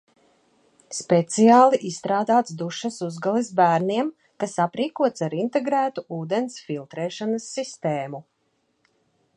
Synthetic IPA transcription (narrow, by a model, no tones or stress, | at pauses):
spɛt̪sijaːlˠiʔisst̪ɾaːd̪aːt̪sd̪uʃɐsuzɡalˠisbæːɾniɛm | kasapɾiːkuɔt̪saɾint̪eɡɾæːt̪uuːd̪ensfilˠt̪ɾɛːʃanasːist̪eːmu